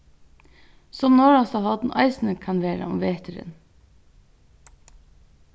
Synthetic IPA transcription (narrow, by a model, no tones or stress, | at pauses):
sɔmnoːɹɑsɑhɑd̪n̩ʔɑ̰ɪsn̩əkʰɑnʋeːɾə̰ʊmʋeːt̪ʰəɾə̰n